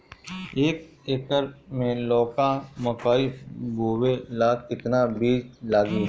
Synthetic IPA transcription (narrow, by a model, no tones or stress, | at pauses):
eːk̚eːkəɾmẽlɔːkãmɐkaːibʱoːwelaːkɪt̪nabiːd͡ʒlaːzmi